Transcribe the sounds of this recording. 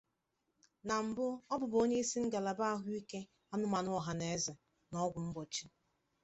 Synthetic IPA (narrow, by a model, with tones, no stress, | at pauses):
na˨m̩˨bʊ˦ɔ˦bʊ˨bo˦ɲe˦i˦si˦ŋ̩˦ɡa˨la˨ba˦a˦ɦʊ˦i˦ke˦ | ɔ˦nʊ˦ma˨nʊ˦ɔ˨ɦa˨ne˨e˦za˨ | nɔ˦ɡʷʊ˨m̩˦bɔ˨t͡ʃi˦